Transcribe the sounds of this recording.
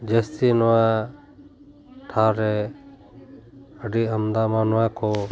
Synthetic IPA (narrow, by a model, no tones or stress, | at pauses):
d͡ʒəst̪inɔwa | ʈʰaɾɛ | əɖiəmd̪amanɔwakʰɔ